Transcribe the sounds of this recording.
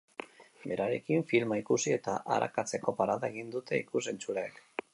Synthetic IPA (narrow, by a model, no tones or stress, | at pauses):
be̞ɾaɾe̞kiɱfilmaikusie̞t̪aʔa̰ɾʔa̰kat͡se̞ko̞paɾaðaeɣ̞ind̪ut̪e̞ikus̬e̞nt͡ʃuɾaek